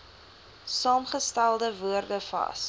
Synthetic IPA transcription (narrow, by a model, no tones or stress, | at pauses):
sɑːmχəstælˠdəvuərdəfɐ̰s